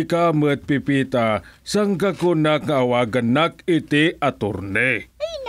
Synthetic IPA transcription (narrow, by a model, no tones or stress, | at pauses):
kamət̪̚pipit̪asəŋkəkunakŋawaɡənakit̪iat̪ʊrne